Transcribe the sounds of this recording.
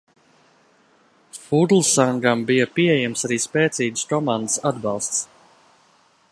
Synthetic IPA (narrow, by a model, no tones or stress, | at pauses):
fud̪lˠsaŋɡambijɐpiɛjɛmsaɾiːspɛːt̪siːɡskɔmand̪əsad̪bɑlˠst̪s